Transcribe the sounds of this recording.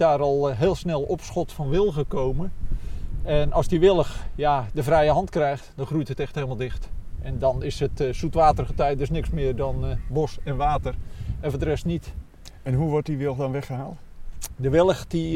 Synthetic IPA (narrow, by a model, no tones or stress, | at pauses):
daːɾɔlˠɦɪːlˠsnɛlˠɔpsχɔtfɔnʋɪlˠɣəkowmə | ɛnɑlˠsdiʋɪlˠəxjadəvrɛjəɦɑntkrɛjxtd̥ɔnxrujthətɛxtheləmalˠdɪxtʔɛndɔnɪsətsutʋaːtərɣətɛjt̚døsnɪksmɪːrdɔnbosɛnʋaːtərɛnfədərɛstnit | ɛnɦuʋɔrt̚diʋɪlˠɣdɔnʋɛχəɦaːlˠtdəʋɪlˠəxdi